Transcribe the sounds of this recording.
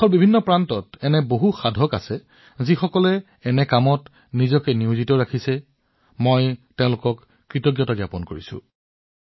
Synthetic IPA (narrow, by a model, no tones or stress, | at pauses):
xɔlbibʱinːɔpɹantɔtɛnɛboɦuxadʱɔka̰sɛ | zixɔkɔlɛ | ɛnɛkamɔt | nizɔkɛniʊzitɔɹakʰisɛ | mɔjtɛ̃ʊ̃lʊkɔkː | ɹitɔɡjɔtaɡjapɔnkoɹisʊ̰̃